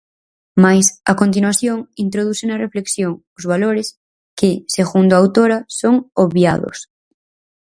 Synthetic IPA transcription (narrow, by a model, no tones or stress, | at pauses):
majsa̰kont̪̬inuwaθjoŋint̪ɾoð̞uθenɐrefleksjoŋ | ʊzβaloɾes | kɪseɣund̪oawt̪oɾɐsoŋoβja̰ðo̰s